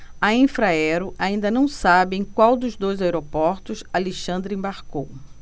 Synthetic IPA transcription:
ɐĩfɾaɛɾʊʔaĩnd̪ɐnɐ̃w̃sabɪẽj̃kwawd̪ʊzd̪ojzaeɾopɔɾt̪ʊsaleʃɐ̃nd̪ɾɪẽbaɾkow

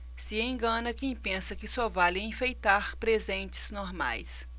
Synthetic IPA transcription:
sɪẽɡɐ̃nɐkẽj̃pẽsɐkɪsɔvalɪẽfejt̪aɾpɾezẽnt͡ʃɪ̥z̥noɾma̰js

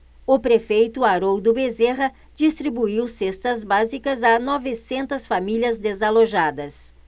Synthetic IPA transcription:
ʊpɾefejt̪ʊaɾowd̪ʊbezeɦɐ | d͡ʒist̪ɾibuiwsest̪ɐzbazikɐzanɔvɪsẽnt̪ɐsfamiliɐzd̪ezaloʒad̪ɐs

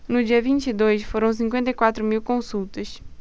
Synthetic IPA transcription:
nʊd͡ʒiɐvĩnt͡ʃid̪ojsfoɾɐ̃w̃s̬ĩŋkwẽnt̪ɐjkwat̪ɾʊmiwkõsuwt̪ɐs

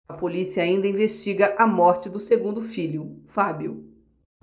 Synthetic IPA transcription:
ɐpolisiɐaĩnd̪ɐĩveʃt͡ʃiɡɐʔɐmɔɾt͡ʃɪd̪ʊseɡũnd̪ʊfilʊfabju

